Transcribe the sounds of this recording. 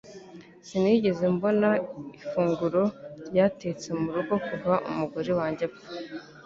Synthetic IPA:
siniɟe̞zembo̞naifuːŋɡuɾo̞ɾjate̞t͡se̞muɾuɡo̞kuvaʔṵmuɡuɾiwaːɲɟeb

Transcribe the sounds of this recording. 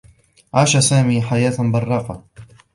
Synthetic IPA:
ʕaːʃasaːmiːħajaːt̪nbɑrˤːɑːqɑ

